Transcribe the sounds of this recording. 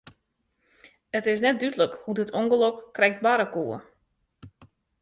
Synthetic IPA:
ətɪs̬nɛt̚dytələkhudətʰoŋɡəlɔkːrɛjk̚t̚baɾəkuə

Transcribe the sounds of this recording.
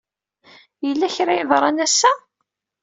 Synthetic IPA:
jəlːæçɾæjəðɾˤɑnæsːæ

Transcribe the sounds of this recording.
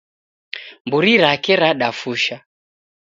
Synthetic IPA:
mbuɾiɾakɛɾaɗafuʃa

